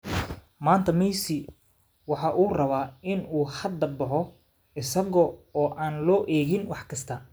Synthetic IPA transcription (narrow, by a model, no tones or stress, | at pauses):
maːnt̪ʰɐmɛjsɪ | wɑħɑːʔuːrɐβaːɪnuːhɐd̪ɐbɐħɔ | ɪsɐɣɔɔːʔaːnlɔːʔɛːɣɪnwɑħkʰɐst̪ʰɐ